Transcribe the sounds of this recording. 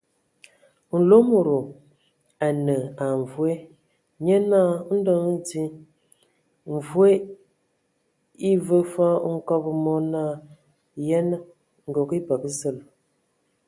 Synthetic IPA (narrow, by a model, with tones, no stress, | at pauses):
n̩˨lo˦mu˨ɾo˨ | a˨nə˨a˨ɱ˨vwe˦ | ɲe˦na˦˨˦n̩˦də˦ŋi˦di˦ | ɱ˨vwe˦ | i˦və˦fa˦ŋ̩˦kɔ˦bə˨mɔ˦na˦ | jɛ˦nə˦ | ŋ̩˨ɡo˨ki˦ba˨kə˦zə˦˨l